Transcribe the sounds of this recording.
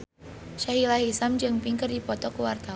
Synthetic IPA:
ʃaɦilaɦisamd͡ʒɨŋpiŋkərdipɔt̪ɔkuwart̪a

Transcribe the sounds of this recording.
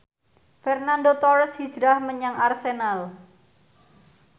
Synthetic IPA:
fɛrnandot̪ɔɾəshi̥ʒ̥ɾahməɲaŋarsenal

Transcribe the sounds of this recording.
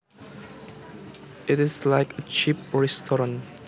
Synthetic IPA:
ɪtɪzlaɪkət͡ʃipɹɛstʰɔɹə̃n

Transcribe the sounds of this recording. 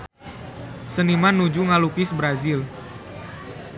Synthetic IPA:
sənimanːud͡ʒuŋalukɪsbɾazɪl

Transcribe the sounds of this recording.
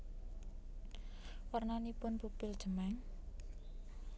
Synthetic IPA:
wərnanipʊnbupɪld̥ʒ̥ə̤mɛŋ

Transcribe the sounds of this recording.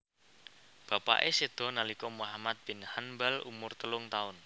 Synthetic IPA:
b̥a̤pa̰ʔesed̪̥ɔ̤nalikɔmuɦamat̪̚b̥ɪ̤nhanbalṵmʊrt̪əlʊŋt̪aʊn

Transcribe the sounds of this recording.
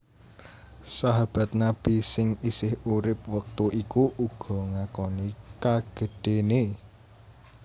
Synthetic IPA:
saɦab̥a̤t̪̚nab̥isɪŋisɪhuɾɪp̚wək̚t̪uʔikuʔuɡ̥ɔ̤ŋakɔnikaɡ̥ə̤ɖ̥ene

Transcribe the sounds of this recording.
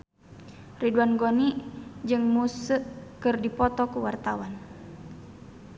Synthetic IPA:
riduanɡonid͡ʒɨŋmusəʔkɨrdipɔt̪ɔkuwart̪awan

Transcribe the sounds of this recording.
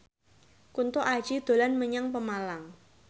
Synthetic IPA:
kunt̪oʔḁʒ̥id̪̥o̤lanməɲaŋpəmalaŋ

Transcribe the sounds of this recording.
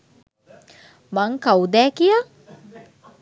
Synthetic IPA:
maŋkawd̪ɛːkijə

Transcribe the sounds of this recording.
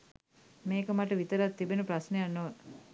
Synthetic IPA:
meːkəmaʈəʋit̪əɾat̪ːibenupɾasnəjanːoʋə

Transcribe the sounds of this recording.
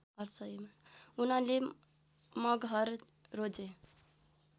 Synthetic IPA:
ʌɾsʌjmaunale | mʌɡɦʌɾː | od͡ʒe

